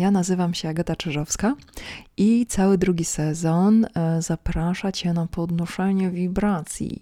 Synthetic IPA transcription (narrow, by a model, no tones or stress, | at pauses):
janazɘvamɕɛaɡɛt̪at͡ʂɘʐɔfska | it̪sawɘd̪ɾuɡʲisɛzɔnzapɾaʂat͡ɕɛnapɔd̪nuʂɛɲɛvʲibɾat̪sʲjḭ